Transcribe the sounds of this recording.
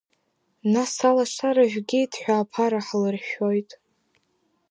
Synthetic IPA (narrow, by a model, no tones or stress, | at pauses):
nasalaʂaɾaʒᶣɡʲidħʷᶣaːpʰaɾaħlɨrʃᶣo̞jtʼ